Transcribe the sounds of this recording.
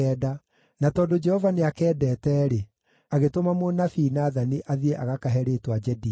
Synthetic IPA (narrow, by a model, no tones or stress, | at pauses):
ɛːda | natɔːndod͡ʒɛhɔvaneakɛːdɛːtɛːɾe | aɣetomamonafinaːðaniʔaðiɛʔaɣakaɦɛɾeːtwad͡ʒɛdi